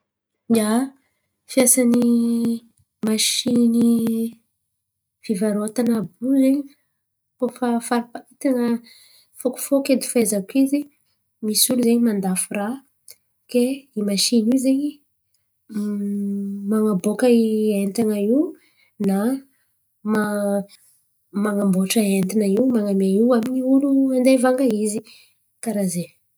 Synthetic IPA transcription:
a | fijasani | maʃini | fivaɾoat̪anabuzeɲi | kofafaɾipait̪aŋə | foku̥fokend̪i̥fezakizi | misuluzeɲimand̪afura | keimaʃinizeɲi | maŋabokəient̪aŋaiw | na | ma | maŋamboʈ͡ʂəent̪inaiwmaŋamaiwamiɲiuluand̪evaŋɡaizi | kaɾaze

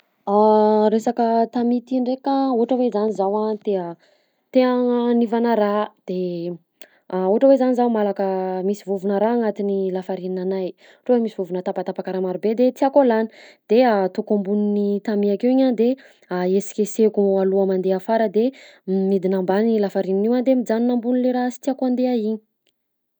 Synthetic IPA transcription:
aɾesakət̪amit̪iɳɖ͡ʐekauɦʈ͡ʂəwezanizawat̪eə | t̪eaŋnivanəɾad̪̥e | uɦaʈ͡ʂəwezanizawmalakəmisivuvunəɾaːŋat̪inilafaɾininanaj | ʈ͡ʂoemisivuvunət̪apat̪apakaɾamaɾubed̪et̪iakolani̥d̪̥eat̪okambuninit̪amiakewiɲand̪e | aesi̥kʲesekualuamand̪eafaɾəd̪emid̪inambanilafaɾininiwand̪emid͡zaninambunileɾasi̥t̪iakand̪eaiɲi̥

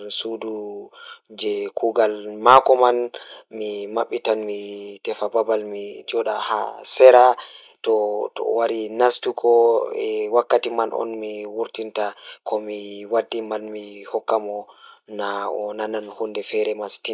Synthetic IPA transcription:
sudu | d͡ʒɛkuːɡalmakɔmanmimaɓːitanmitɛfababalmid͡ʒɔɗaha̰sɛɾa | tɔtɔ̰waɾinastukʰɔɛwakːatimanʔɔ̰nmiwuɾtintakʰɔmiwadːimanmihɔkːamɔnaɔnananhundɛfɛɾɛmastin

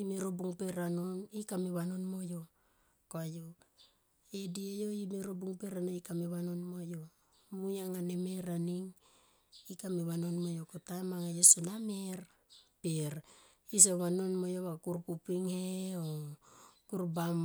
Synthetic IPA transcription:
imiɾobuŋpeɾanonikamiβanonmo̞jo | koajo | ediejoimiɾobuŋpeɾanoikamiβanonmojo | mujaŋanemeɾaniŋ | ikamiβanonmojokotamaŋajosenameɾ | peɾ | is̬oβano̞nmojoβakuɾpupiŋheo | kuɾbam

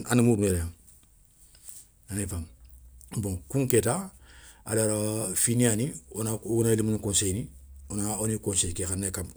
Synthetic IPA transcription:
animudumeɾjam | anefam | bõŋkuŋketa | a̰laɾafinianionaunailimunikonsejnionaonikõnsejkexanːekam

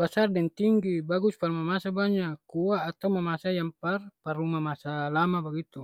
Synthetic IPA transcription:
basardɛŋt̪iŋɡibaɡusparumamasabaɲakuaːt̪awmamasajamparparumamasalamabaɡit̪u

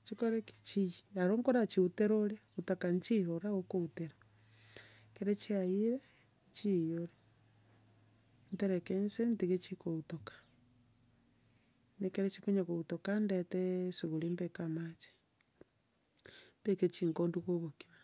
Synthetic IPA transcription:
t͡ʃikoɾeki̥t͡ʃijiaɾoŋkoɾat͡ʃiuteɾoɾeutakanit͡ʃiɾoɾaɣokouteɾa | keɾet͡ʃiajiɾe | t͡ʃijoɾe | niteɾekensentiɣet͡ʃikoutokḁ | nekeɾet͡ʃikoɲakoutokandetesiɣulimbekamat͡ʃe̥ | mbeket͡ʃiːŋkonduɣoβoki̥ɾa

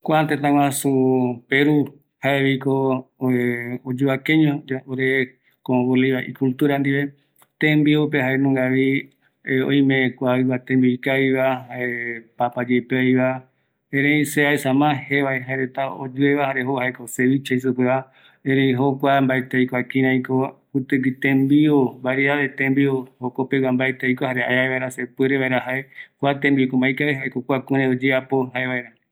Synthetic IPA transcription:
kʷat̪et̪ãw̃ãsupeɾu | haeβiko | od͡ʒuakẽɲõaoɾe | kõβoleβaʔḭkult̪uɾand̪iβe̞ | t̪ẽmbiupeɦaenũɡaβi | õ̰ĩmẽkʷaɨβat̪ẽmbiikaiβahaepapad͡ʒepeojβa | ẽɾẽĩseaesãmãheβaeɦaeɾet̪ao̰d͡ʒueβahaɾeɦohaekoseβit͡ʃais̬upeβa | ẽɾĩɦokʷambaet̪ejkakĩɾãikoput̪ɨit̪ẽmbiobaɾiaβet̪ẽmbiohokopewambaet̪ejkʷahaɾea̰eaeβaeɾasepueɾeβaeɾaɦaekʷat̪ẽmbikõmajkaiɦaekokʷakũɾẽod͡ʒeapoɦaeβaeɾã

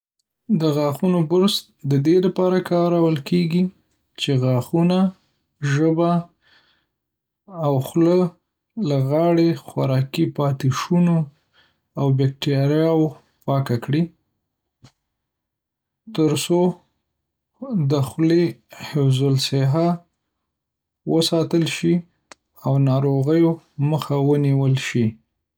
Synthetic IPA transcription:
d̪əɣɑxunobʊɾst̪̚d̪əd̪elapɑɾakɑɾawəlkʰeɡi | t͡ʃeɣɑxuna | ʒəba | wxlə | laɣɑɽexwaɾɑkipɑt̪ɪʃuno | awbek̚ʈɑɾjɑwo | pɑkakɽi | t̪əɾso | d̪əxlehɪwzʊlseɦa | wəsɑt̪əlʃi | awnɑɾoɣəjo | məxawəniwəlʃi

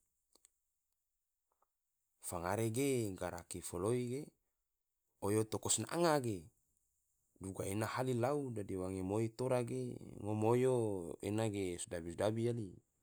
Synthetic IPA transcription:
faŋaɾeɡeɡaɾakifoloiɡe | ojot̪okosnaʔa̰ŋaɡe | duɡaenahalilaudadiwaŋemoit̪oɾaɡḛŋomojoḛnaɡesdabisdabijali

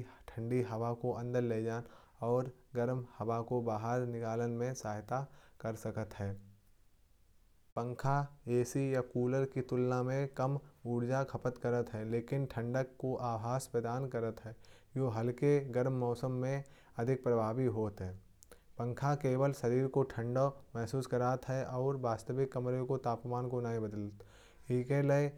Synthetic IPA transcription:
ʈʰə̃ɳɖiɦɐʋakoʔɐ̃nd̪əɾleːd͡ʒaːn | ɔːɾɡəɾmhɐʋakobaːɦəɾnɪkaːlənmẽsaːɦɪt̪akəɾsəkət̪ɦɛː | pə̃ŋkʰaeːsijakuːləɾkit̪ʊlnamẽkəmuːɾd͡ʒakʰɐpət̪kɐɾət̪ɦɛleːkɪnʈʰɐ̃ɳɖəkːoʔaːbɦaːspɾəd̪aːnkɐɾət̪ɦɛː | joːɦɐlkeɡɐɾmːɔːsəmːẽ | ɐd̪ʱɪk̚pɾɐbʱaːbiɦoːt̪ɦɛː | pə̃ŋkʰakeːʋəlsɐɾiːɾkoʈʰə̃ɳɖomɛɦsuːskɐɾaːt̪ɦɛʔɔːɾbaːst̪əʋɪkːɐmɾẽkot̪aːpmaːnkonaɦĩbəd̪ələt̪ | ekelee

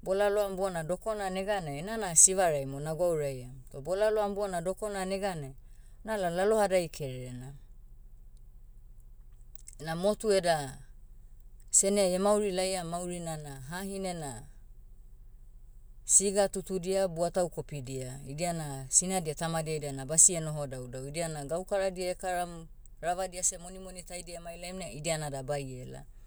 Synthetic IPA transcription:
bo̞laloambuanado̞ko̞naneɡanenanasiβaɾajmonaɡwawɾajatobolaloambuanado̞ko̞naneɡane | nalalalo̞hadajkʰe̞ɾeɾena | namo̞tue̞da | se̞neaemawɾilajamawɾinanaɦaɦine̞na | siɡatutudiabuatawko̞pidiaidianasinadiatamadiaidianabasieno̞ɦo̞dawdawidianaɡawkaɾadiaekaɾam | ɾaβadiasemo̞nimo̞nitajdiaemajlajmnaidianadabaje̞la̰

